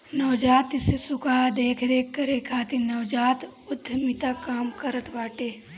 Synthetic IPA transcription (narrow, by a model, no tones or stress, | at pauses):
nɐwd͡ʒaːt̪ɪsesʊkaːd̪eːkʰɾekəɾekʰaːt̪inɐʋwd͡ʒaːt̪ | ʊd̪ʱəmit̪akaːmkəɾət̪ʋaːʈeː